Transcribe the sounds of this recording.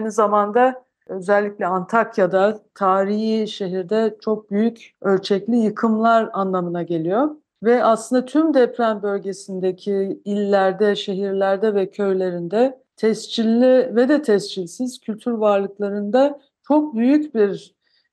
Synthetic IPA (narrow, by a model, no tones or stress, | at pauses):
ajnizamand̪a | ø̞zɛlʲːicʲlʲɛant̪ʰakjad̪at̪ʰaːɾijiʃe̞ɦiɾd̪ɛt͡ʃʰo̞k̚byjycølʲt͡ʃʰɛclʲijɯkʰɯmlˠaɾanlˠamɯnaɟe̞lʲijo̞ | vɛaslˠɯnd̪at̪ʰymd̪ɛpɾʲænbø̞lʲɟe̞sind̪ecʰiilʲːæɾd̪ɛʃe̞ɦiɾlʲæɾd̪ɛvɛcʰø̞jlʲe̞ɾind̪ɛ | t̪ʰɛst͡ʃʰilʲːivɛd̪ɛt̪ʰɛst͡ʃʰilʲsiz̥cʰylʲt̪ʰyɾvaɾlˠɯklˠaɾɯnd̪a | t͡ʃʰo̞k̚byjycbiɾ